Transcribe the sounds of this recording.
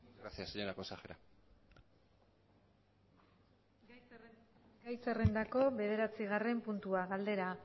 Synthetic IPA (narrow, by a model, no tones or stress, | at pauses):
ɾasiaseɲo̞ɾakosaxeɾa | ɡajsere̞nd̪ako̞βe̞ð̞e̞ɾat͡siɣare̞mpunt̪uaɣald̪e̞ɾa